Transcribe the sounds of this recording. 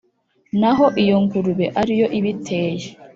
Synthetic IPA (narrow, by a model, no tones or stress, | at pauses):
naɦo̞ʔijo̞ŋɡuɾuβeʔaɾijo̞ʔiβitʰeːje